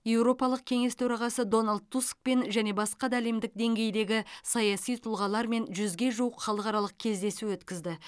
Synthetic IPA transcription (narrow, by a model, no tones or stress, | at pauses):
je̞wɾo̞pɑlˠəq̚kʲʰe̞ŋe̞st̪ʰɵɾɑʁɑsəd̪o̞nald̪̚t̪ːusk̚pe̞nʒæne̞bɑsqɑd̪ɑæle̞md̪ɪk̚d̪e̞ŋɡʲe̞jd̪e̞ɡʲɪsɑjɑsijt̪ʰʊlˠʁɑlˠɑɾme̞nʒʏzɡʲe̞ʒuwəqχɑlˠəqɑɾɑlˠəq̚kʲʰe̞zd̪e̞suwɵt̪kʲɪzd̪ɪ